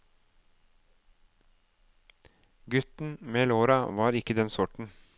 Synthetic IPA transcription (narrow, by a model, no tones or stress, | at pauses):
ɡʉt̪n̩meːloːɾɑʋɑːɾɪkəd̪ɛnsʊʈɳ̩